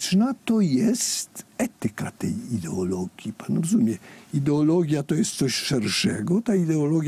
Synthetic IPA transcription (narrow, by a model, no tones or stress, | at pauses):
t͡ʂnat̪ɔjɛst̪ɛt̪ɘka̰t̪ɛjid̪ɛɔlɔɡʲjipanɾɔzumʲjɛid̪ɛɔlɔɡʲjat̪ɔjɛst̪sɔɕʂɛɾʂɛɡɔt̪aid̪ɛɔlɔɡʲj